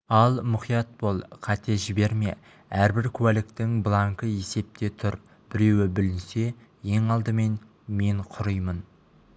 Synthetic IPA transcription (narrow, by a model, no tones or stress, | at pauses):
ɑlˠmʊχijɑt̪̚bolˠqʰɑt̪e̞ʒɪbe̞ɾme̞̰ | æɾbɪɾkʲʰʉwælɪkt̪ɪŋblˠɑŋkəje̞se̞p̚t̪e̞t̪ʰʊɾ | b̥ɪɾe̞wɪbɪlɪnse̞je̞ŋɑlˠd̪əme̞n | me̞ɴqʰʊɾəjmən